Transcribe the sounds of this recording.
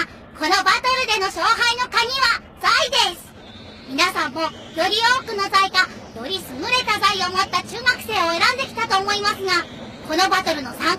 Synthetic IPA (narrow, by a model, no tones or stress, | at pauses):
ko̞no̞bat̪o̞ɾɯ̟d̪e̞no̞ɕo̞ːɦaino̞kaɲ̟iβa | z̥aid̪e̞sɨ̥ | mʲinasãmːo̞ | jo̞ɾʲio̞ːkɯ̟no̞zaikajo̞ɾʲisɨmɯ̟ɾe̞t̪azaiomo̞t̪ːat͡ɕɨːmakɯ̟̥se̞ːo̞e̞ɾãnd̪e̞kʲi̥t̪at̪o̞ːmo̞imasɨɡa | ko̞no̞bat̪o̞ɾɯ̟no̞sãŋ